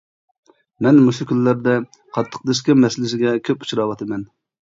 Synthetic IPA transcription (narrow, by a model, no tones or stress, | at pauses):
mɛnmuʃukʲʰynlːæɾd̪ɛ | qʰɑt̪ʰːə̥q̚d̪ɨʃ̬kʲɪmɛsɪlɪsɪɡʲɛkʲʰøpu̥t͡ʃʰɾɑwɑt̪ʰɨmɛn